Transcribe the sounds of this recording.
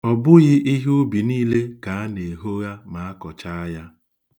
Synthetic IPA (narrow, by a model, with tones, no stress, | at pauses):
ɔ˨bʊ˦ɣɪ˦ʔi˦ɦʊ˦bi˨niː˦le˦ka˨a˦ne˨ɦo˦ɣa˦ma˨a˦kɔ˨t͡ʃa˦a˦ja˦